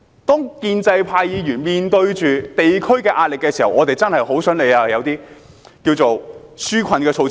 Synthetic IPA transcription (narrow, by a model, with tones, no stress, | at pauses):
t̪ɔː˥ŋkiː˧nt͡sɐ˧jpʰaː˧jjiː˨˧jyː˨˩nmiː˨nt̪ɵ˧ɥt͡ʃyː˨t̪e˨jkʰɵ˥ɥkɛː˧ʔaː˧t̚lɪ˨kːɛː˧siː˨˩hɐ˨wʔɔː˨˧t̪e˨jt͡sɐ˥nhɐ˨jho˨˥wsɵ˨˥nle˨˧jaː˧jɐ˨˧wt̪iː˥ | kiː˧wt͡so˨wsyː˥kʷʰɐ˧nkɛː˧t͡sʰo˧w